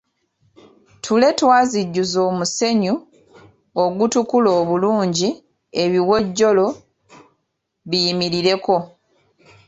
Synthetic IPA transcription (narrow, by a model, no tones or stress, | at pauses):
tʰule̞twaːziɟːuzo̞ːmuse̞ɲu | oɡutukuloːβuluːɲɟi | e̞βiwo̞ɟːo̞lo̞ | βijimiɾiɾe̞ko̞